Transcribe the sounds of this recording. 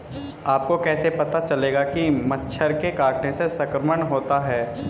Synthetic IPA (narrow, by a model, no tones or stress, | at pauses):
aːp̚kokɛːsepɐt̪at͡ʃɐleːɡakimɐtːʃʰəɾkekaːɾʈnẽsesɐkɾəməɳɦoːt̪aɦɛː